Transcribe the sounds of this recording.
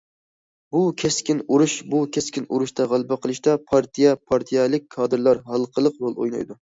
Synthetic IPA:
bukʲʰeskʲinuɾuʃbukʲʰɛskʲinuɾuʃt̪ʰɑʁælˠbɛqʰəlˠɨʃt̪ɑpʰɑɾt̪ʰijɛpʰɑɾt̪ʰijɛlˠɪk̚ʲkʰɑːd̪ɨɾlˠɑɾɦɑlˠqʰəlˠəqɾolˠo̰jnɑ̰jd̪u

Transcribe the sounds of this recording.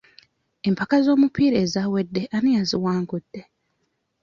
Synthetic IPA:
e̞mpakazo̞ːmupiːɾe̞ːzawedːe̞ʔanijaziwaːŋɡud̥ːe̞

